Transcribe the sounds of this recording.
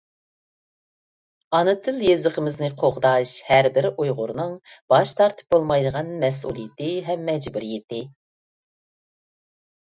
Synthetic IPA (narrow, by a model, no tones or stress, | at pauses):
ɑnɨt̪ʰɨljezəqəmɪznɨqʰoʁd̪ɑʃhæɾbɪɾɪʔujʁʊ̰ɾnɨŋb̥ɑʃt̪ʰɑɾt̪ʰɨ̥p̚bolˠmɑjd̪əʁɑnmɛsṵlˠijɪt̪ɪɦɛmːɛd͡ʒbuɾijɪt̪ɪ